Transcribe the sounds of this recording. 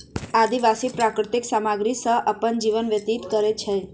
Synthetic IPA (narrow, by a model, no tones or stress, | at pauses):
ad̪iʋasipɾakɾɪt̪iksamaɡɾisəɦʔəpənd͡ʒiʋənʋjət̪it̪kəɾet͡ʃʰe